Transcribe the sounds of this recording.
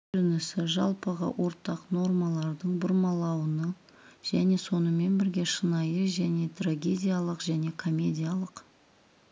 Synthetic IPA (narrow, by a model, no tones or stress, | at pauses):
ʏnɪsɪʒɑlˠpəʁɑ̰wʔo̞ɾt̪ɑqno̞rmɑlˠɑɾd̪əɴbʊɾmɑlˠɑwənə | ʒ̥æne̞so̞nəme̞nbɪɾɡʲe̞ʃənɑjəʒæne̞t̪raɡʲe̞dʲijalˠəqʒæne̞kʰo̞mʲe̞dʲijalˠəq